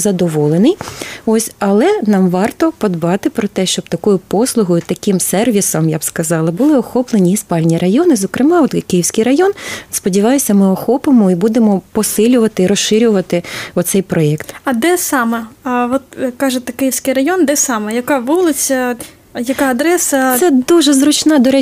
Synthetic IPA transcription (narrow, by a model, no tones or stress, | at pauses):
zɐd̪ɔʋɔlˠenɪjɔsʲɐlˠɛnɑmʋɑrt̪ɔpɔd̪bɑt̪ɪpɾɔt̪ɛʃt͡ʃɔbt̪ɐkɔjʊpɔslˠʊɦɔjʊt̪ɐkʲimsɛrʋʲisɔmjabskɐzɑlˠɐbʊlˠɪɔxɔplˠenʲiːspɑlʲnʲirɐjɔnɪzɔkɾɪmɑɔt̪kɪjiwsʲkɪjɾɐjɔnspɔdʲiʋɑjʊsʲɐmɪɔxɔpɪmɔibud̪emɔpɔsɪlʲʊʋɐt̪ɪiɾɔsɪɾʲʊʋɐt̪ɪɔt̪sɛjpɾɔɛkt̪ɐd̪ɛsɑmɛʋɔt̪kɑʒet̪ɛkɪjiwsʲkɪjrɐjɔnd̪ɛsɑmɛjɐkɑʋulˠɪt͡sʲɐ | jɐkɑɐd̪ɾɛsɐsɛd̪uʒɛzɾʊt͡ʃnɑd̪ɔɾɛ